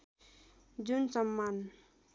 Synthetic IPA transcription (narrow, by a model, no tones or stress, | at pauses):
d͡ʒunsʌmːan